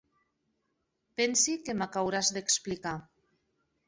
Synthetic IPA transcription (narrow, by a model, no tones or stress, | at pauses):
pɛnsikemakawɾazðeksplika